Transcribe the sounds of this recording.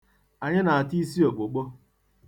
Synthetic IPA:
a˨ɲɪ˦na˨a˨ti˦s̬i˦o˨k͡po˨k͡po˦

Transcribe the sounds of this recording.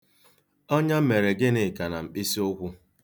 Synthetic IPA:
ɔ˦ɲa˦me˨ɾe˨ɡɪ˦ne˨ka˨na˨m̩˨k͡pi˦si˦o˦kʷʊ˦

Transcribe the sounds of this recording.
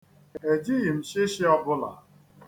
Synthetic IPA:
e˨d͡ʒi˦ɣi˨m̩˨ʃɪ˦ʃɪ˦ɔ˦bʊ˦la̰˨

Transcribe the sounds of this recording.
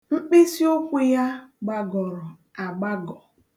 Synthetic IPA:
ŋ͡m̩˦k͡pi˦si˦o˦kʷʊ˦ja˦ɡ͡ba˨ɡɔ˨ɾʊ˨ | a˨ɡ͡ba˦ɡɔ˨

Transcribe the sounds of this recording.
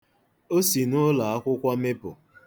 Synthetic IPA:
o˦si˨nʊ˦la˨a˦kʷʊ˦kʷɔ˦me˦pʊ˨

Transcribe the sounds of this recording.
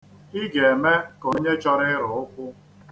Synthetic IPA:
i˦ɡe˨e˨me˦ko˨˦ɲe˦t͡ʃɔ˦ɾɪ˦ɾʊ˨ʊ˦kʷʊ˦

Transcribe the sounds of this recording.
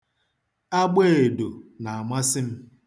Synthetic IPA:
a˦ɡ͡be˦˨e˨do˨na˨a˨ma˦sɪ˦m̩˦

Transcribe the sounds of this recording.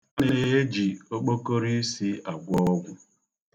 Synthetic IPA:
ne˦˨e˨e˦d͡ʒi˨o˦k͡po˦ko˦ɾi˦si˦a˨ɡʷɔ˦ɔ˦ɡʷʊ˦

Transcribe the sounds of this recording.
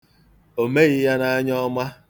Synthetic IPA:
o˨me˦ɣɪ˦ja˦na˨a˦ɲɔ˦ma˦

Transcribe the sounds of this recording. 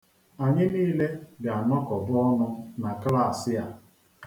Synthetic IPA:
a˨ɲɪ˦niː˦le˦ɡa˨a˨nɔ˦kɔ˨bɔ˦nʊ˦na˨kla˦˨sɪ˦a˨

